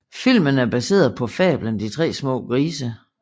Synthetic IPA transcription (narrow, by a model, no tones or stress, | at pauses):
fil̰mənæɐb̥æse̝̰ːɐðˠpʰɒ̽fɛ̰ːb̥lənd̥it͡sʰʁɛ̰ːsmɔ̰ːɡ̥ʁiːsə